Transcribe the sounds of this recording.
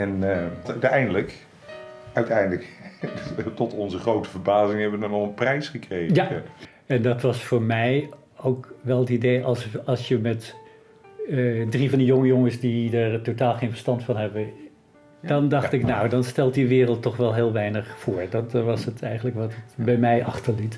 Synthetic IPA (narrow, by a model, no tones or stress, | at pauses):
ɛntɛjndələk | œɥtɛjndələk | tɔtɔnzəχrowtəvəɹbaːzɪŋɦɛbʋənɑnɔχənprɛjsχəkrejja | ɛndɑtʋɑsfʊːɹmɛj | owkʋɛlˠətidejʔɑlˠsɑlˠsjəmɛt | drivɑndəjoŋəjoŋəsdidaɹtotaːlˠχejnvəɹstɑntfɑnɦɛbə | dɑndɑχtɪknawdɑnstɛlˠtdiʋɪːrəlˠtːɔχʋɛlˠɦɪːlˠʋɛjnəχfʊːɹdɑtʋɑsətʰɛjχənələkʋɑtətbɛjmɛjʔɑχtəɹlit